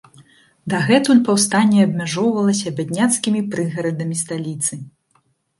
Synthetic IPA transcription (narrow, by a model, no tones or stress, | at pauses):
d̪ɐɣɛt̪unʲpawst̪anʲːɛɐbmʲaʐɔwvɐlˠɐsʲɐːbʲad̪ʲnʲat̪skʲimʲipɾɨɣɐɾɐd̪ɐmʲist̪alʲit̪sɨ